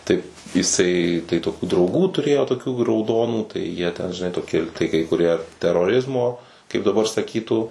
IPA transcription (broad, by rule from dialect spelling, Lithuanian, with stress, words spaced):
ˈtɐɪ ɪˈsɐɪ tɐɪ toːˈkʲuː drɐʊˈɡuː tʊˈrʲeːjoː toːˈkʲuː rɐʊˈdoːnuː tɐɪ jiɛ tʲɛn ʒʲɪˈnɐɪ toːˈkʲɪ tɐɪ kɐɪ kʊˈrʲiɛ tʲɛroːˈrʲɪzmoː kɐɪp dɐˈbɐr sɐˈkʲiːtuː